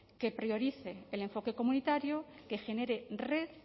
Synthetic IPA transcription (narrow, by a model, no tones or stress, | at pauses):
ke̞pɾjo̞ɾiθeːle̞ɱfo̞ke̞ko̞mũnit̪aɾjoke̞xe̞ne̞ɾere̞ð